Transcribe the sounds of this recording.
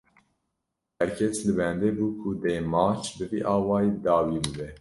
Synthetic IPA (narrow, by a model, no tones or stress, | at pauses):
hɛɾkʰɛslɨbɛnd̪eːbuːkʰud̪eːmɑːt͡ʃʰbɨviːʔɑːwɑːjiːd̪ɑːwiːbɨbɛ